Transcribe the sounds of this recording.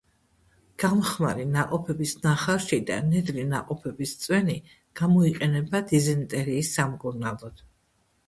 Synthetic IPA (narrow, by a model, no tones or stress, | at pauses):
ɡ̥amɔχmaɾinaqʼɔpʰɛbisnaχaʃid̪a̰nɛd̪lina̰qʼɔpʰɛbist̪sʼwɛni | ɡ̥amɔiqʼɛnɛbad̪izɛnt̪ʼɛɾiːsːamkʼuɾnalˠɔd̪̥